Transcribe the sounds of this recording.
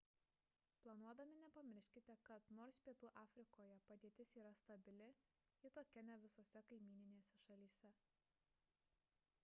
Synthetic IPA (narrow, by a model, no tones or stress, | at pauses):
plˠɐnuɔd̪ɐmʲɪnʲɛpɐmʲɪɾʲʃʲkʲɪt̪ʲɛkɐt̪noːɾspʲiɛt̪uːʔɑːfʲɾʲɪkoːjɛpɐd̪ʲiɛt̪ʲɪsiːɾɐst̪ɐbʲɪlʲɪ | it̪oːkʲɛnʲɛʋʲɪsoːsʲɛkɐɪmʲiːɪnʲeːsʲɛʃɐlʲiːsʲɛ